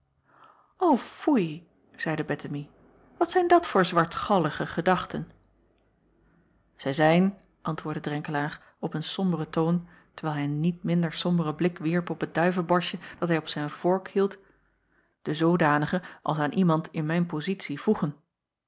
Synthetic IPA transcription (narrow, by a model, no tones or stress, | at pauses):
owfuj | z̥ɛjdəbɛtəmi | ʋɑtsɛjndɑtfʊːɹzʋɑɹtχɑləχəχədɑχtən | z̥ɛjzɛjn | ʔɑntʋʊːɹdədrɛŋkəlaːɹ | ɔpənsɔmbərətown | təɹʋɛːlˠɦɛjnit̚mɪndəɹsɔmbərəblɪkʋiɹpɔpət̚d̥œɥvəlˠbɔɹʃəd̥ɑtɦɛjɔpsɛjnv̥ɔɹkhilˠt | d̥əzowdaːnəχəʔɑlˠsaːnʔimɑntɪnmɛjnpozitsivuχən